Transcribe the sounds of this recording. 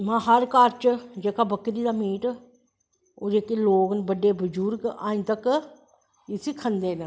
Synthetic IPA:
mãːɦəɾkaːɾt͡ʃd͡ʒeːkaːbəkɾiːd̪aːmiːʈ | oːd͡ʒeːkeloːɡnbəɖeːbʊd͡ʒuːɾka̰ːĩt̪ək | ɪsikʰənd̪eːn

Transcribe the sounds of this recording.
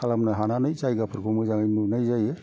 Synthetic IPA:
kʰalamnaɦananɯjt͡ʃajɡapʰɯɾkʰumɔjzaŋajnunajzajɛ

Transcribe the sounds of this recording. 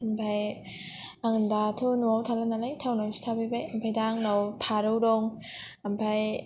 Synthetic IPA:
ampʰaj | aŋndatʰunuawtʰalanalajtʰawnawsi̥tʰabajbajampʰajdaŋnawpʰaɾɯwdɔŋ | ampʰaj

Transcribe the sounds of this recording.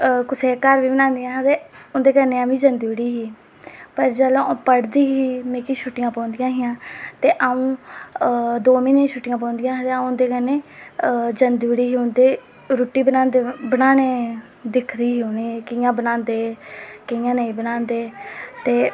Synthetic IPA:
kʊsʰeːkəɾʋiːbənãːnd̪ɪjãːɦd̪eːʊnd̪eːkəɾneːãːʋiːd͡ʒənd̪iɽiːɦiː | pəɾd͡ʒəlõpəɽd̪iːɦiːmẽːkiʃʰʊʈɪjãːpɔ̃ːnd̪ɪjãːɦɪjãːt̪eːʔaũː | d̪oːminẽːʃʰʊʈːɪjãːp̬ɔːnd̪ɪjãːɦt̪eːaũːʊnd̪eːkəɾnẽː | d͡ʒənd̪ɽiːɦiːʊnd̪eː | ɾuːʈːiːbənaːnd̪ebənaːneː | d̪ɪkʰd̪iːɦiːoneːkɪjãːbənãːnd̪eːkəjãːnəĩːbənãːnd̪eːt̪eː

